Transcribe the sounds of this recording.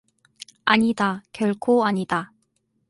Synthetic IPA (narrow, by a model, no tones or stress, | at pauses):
aɲidakjʌɭkʰoaɲida